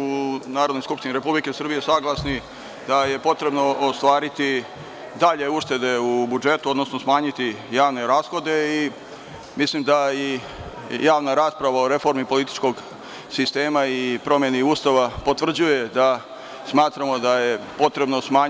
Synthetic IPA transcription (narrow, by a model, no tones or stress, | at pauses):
unaːɾod̪nojskupʃt̪iniɾe̞publike̞sr̩bije̞saːɡlasni | d̪aje̞po̞t̪ɾe̞bno̞ost̪ʋaːɾit̪i | d̪aʎe̞uʃt̪e̞d̪e̞ubud͡ʒe̞t̪uo̞d̪nosnosmaːɲit̪ijaːʋne̞ɾaːsxo̞d̪e̞i | mislimd̪ai | jaːʋnaɾaːspɾaʋao̞ɾe̞fo̞ɾmipo̞lit̪i̥t͡ʃko̞ɡ | sist̪e̞ːmaipɾo̞mje̞niuːst̪aʋapo̞t̪ʋr̩d͡ʑuje̞d̪a | smaːt̪ɾamo̞d̪aje̞po̞t̪ɾe̞bno̞smaːɲ